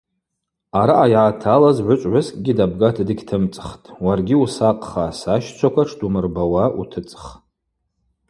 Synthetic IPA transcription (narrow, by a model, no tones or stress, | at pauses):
aɾaʔajaːtʰalazʕʷʊt͡ʃʷʼʕʷaskʼɡʲidab̚ɡatʰdɨɡʲtʰɨmt͡sʼχtʼwarɡʲiusaqʼχasaʃt͡sʷʰakʷʰaʈ͡ʂʰdumɨrbawaʔṵtʰɨt͡sʼχ